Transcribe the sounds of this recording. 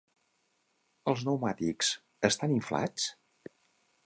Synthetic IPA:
əlˠznəwmat̪iks | əst̪aniɱfla̰t͡s

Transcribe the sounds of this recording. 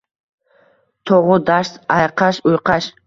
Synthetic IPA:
t̪ʰoʁʊd̪aʃt̪ɑjqʰɑʃujqɑʃ

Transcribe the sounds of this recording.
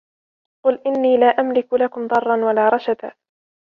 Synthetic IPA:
qʊlʔɪnːiːlaːʔamlɪkʊlakʊmd̪ˤɑrˤːɑnwalaːɾˤɑʃat̪aː

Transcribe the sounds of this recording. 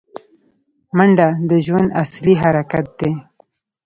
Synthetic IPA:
maɳɖad̪əʒwand̪a̰sliɦaɾakat̪̚d̪e

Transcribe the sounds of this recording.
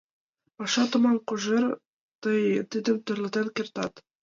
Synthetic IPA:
pɑʃɑt̪ŏmɑŋquʒɤɾ | t̪ɤjt̪id̪ɘ̆mt̪ŏɾlˠɤ̆t̪ɤnkɘ̆rt̪ɑt̪

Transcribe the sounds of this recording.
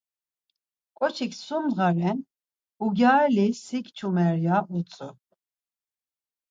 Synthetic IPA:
kʼɔt͡ʃʰikʰsumd̪ʁaɾɛn | uɡʲaːɛlisikt͡ʃʰumɛɾjaʔut͡sʼu

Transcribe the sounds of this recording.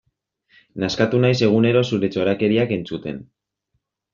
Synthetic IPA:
naskat̪unajse̞ɣ̞une̞ɾo̞suɾe̞t͡so̞ɾake̞ɾiake̞nt͡sut̪e̞̰n

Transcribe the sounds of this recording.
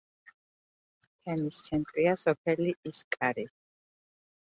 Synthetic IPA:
t̪ʰɛmist̪sʰɛnt̪ʼɾiasɔp̚ʰɛliʔiskʼaɾi

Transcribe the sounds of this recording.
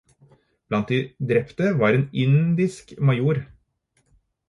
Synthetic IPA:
b̥lɑnt̪̚d̪ɪd̪ɾɛpt̪əʋɑːɾeːnɪnd̪ɪskmɑjuːɾ

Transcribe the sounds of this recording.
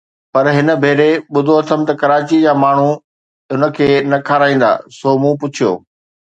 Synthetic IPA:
pɐɾɦɪnə̆bʱeːɾeɓʊd̪ʱoɐt̪ʰəmt̪ɐkɐɾaːt͡ɕid͡ʑaːmaːɳ̤u | ʊnə̆kʰeːnɐkʰaːɾaːĩːn̆d̪a̰ːsoːmũːp̬ʊt͡ɕʰijo̰ː

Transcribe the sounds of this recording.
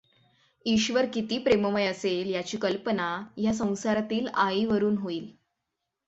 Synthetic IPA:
iɕʋəɾkit̪iːpɾeməməjəseljat͡ɕiːkəlpənajas̬ə̃w̃saɾat̪iːlaiʋəɾuːnɦoiːl

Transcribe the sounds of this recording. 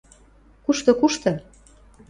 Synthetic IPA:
kuʃt̪ɤ̆kuʃt̪ɤ̆

